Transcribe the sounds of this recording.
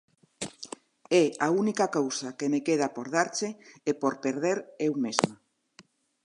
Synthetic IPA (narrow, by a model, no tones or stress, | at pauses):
eaunikakowsakemekeð̞apoɾð̞aɾt͡ʃeːpoɾpeɾðeɾewmezma